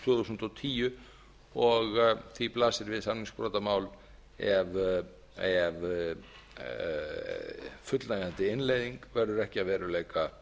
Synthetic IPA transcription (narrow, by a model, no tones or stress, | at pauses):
t̪ʰvœːðusn̥t̪ɔwt̪ʰiːjʏ | ɔɣθiplaːsɪɾvɪðsannĩŋspɾɔːt̪amaːwl | ɛv | ɛv | fʏt̪lnajɣant̪ɪɪnleːjðiŋkvɛɾðʏɾɛhcɪaðvɛːɾʏleːjka